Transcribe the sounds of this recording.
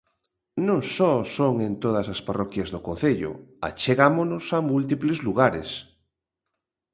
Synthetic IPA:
nõŋsɔsoŋẽnt̪oð̞ɐsasparɔkjazðokon̟θeʎʊ̰a̰t͡ʃeɣamonʊsamult̪iplezluɣaɾḛs

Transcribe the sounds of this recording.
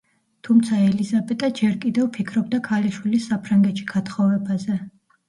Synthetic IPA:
t̪ʰumt̪sʰaɛlizabɛt̪ʼad͡ʒɛɾkʼid̪ɛvpʰikʰɾɔb̚d̪akʰaliʃwilisːapʰɾaŋɡɛt̪ʃi̥ɡ̥at̪χɔvɛbazɛ

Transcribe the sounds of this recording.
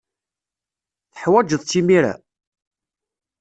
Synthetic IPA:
θə̥ħwæd͡ʒəðˤt͡sːimiɾa̰

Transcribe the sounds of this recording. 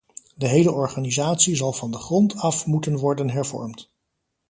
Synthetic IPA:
dəɦejləʔɔɹχaːnizaːtsizɑlˠvɑndəχrɔntʰɑfmutənʋɔɹdənɦɛɹvɔ̰ɹmt

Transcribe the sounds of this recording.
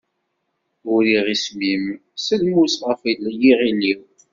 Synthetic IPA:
uɾiʁismimsəlmusʁəfilːjiʁiliw

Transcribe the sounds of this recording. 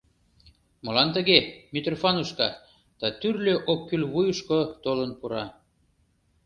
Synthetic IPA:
mə̆lɑnt̪əɣemit̪rofɑnuʃkɑ | d̪̥ɑt̪yrløʔokːylβujuʃkot̪olənpuɾɑ

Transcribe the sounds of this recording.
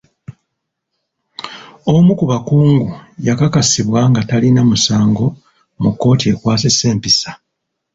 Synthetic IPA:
o̞mukuβakuːŋɡujakakasiβwaŋɡatalinamusaːŋɡo̞ | mukːo̞ːtie̞kwaːsesːe̞ːmpisa

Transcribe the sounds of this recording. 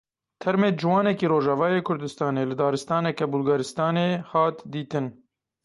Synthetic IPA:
t̪ʰɛɾmeːd͡ʒɪwɑːnɛkiːɾoːʒɑːvɑːjeːkʰʊɾd̪ɨst̪ɑːneːlɨd̪ɑːɾɨst̪ɑːnɛkɛbʊlɡɑɾɨst̪ɑːneːhɑːt̪d̪iːt̪ɨn

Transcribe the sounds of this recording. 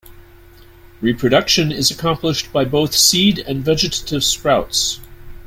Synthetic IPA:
ɹipʰɹ̥ɨɾʌkʃɨ̃nɪzɨkʰɑ̃mpləʃb̥aɪboʊθsiɾɨ̃nvɛd͡ʒɨɾə̥ɾɨv̥skɹaʊts

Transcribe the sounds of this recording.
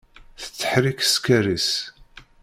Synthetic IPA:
θə̥t͡sːə̥ħɾikə̥skæɾis

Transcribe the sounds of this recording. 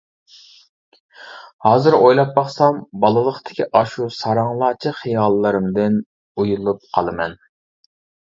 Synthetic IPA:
hɑːzɨɾojlˠɑpːɑχsɑmbɑlˠɨlˠəχt̪ʰɪ̥kʲʰiʔɑʃusɑɾɑŋlˠɑːt͡ʃʰiχijɑlˠːɨɾɨmd̪ɪn | ujulˠup̚qʰɑ̰lˠɨmɛ̰n

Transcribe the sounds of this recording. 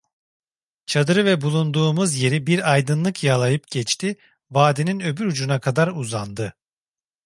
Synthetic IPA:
t͡ʃʰad̪ɯɾɯvɛbulˠund̪uːmuzje̞ɾibiɾajd̪ɯnlˠɯkʰjalˠajɯpɟɛt͡ʃt̪i | vaːd̪ininø̞byɾud͡ʒunakʰad̪aɾuzand̪ɯ

